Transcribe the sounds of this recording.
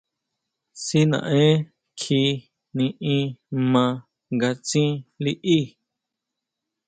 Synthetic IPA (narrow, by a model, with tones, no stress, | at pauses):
si˦nã̰˨ʔẽ˦ | kʰi˧ | nĩ˧ĩ˧˦mã˧ | ŋɡa˧t͡sĩ˦li˦ʔi˦˨